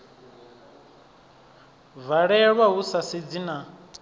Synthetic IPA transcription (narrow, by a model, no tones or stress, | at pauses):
vaɺɛɺwaɦusased͡zina